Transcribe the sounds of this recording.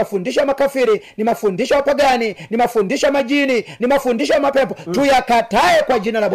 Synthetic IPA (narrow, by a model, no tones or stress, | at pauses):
afundiʃawamakafiɾinimafundiʃawapaɡaninimafundiʃajamad͡ʒininimafundiʃɔwamapɛpɔtujakataɛkwad͡ʒinalabɔ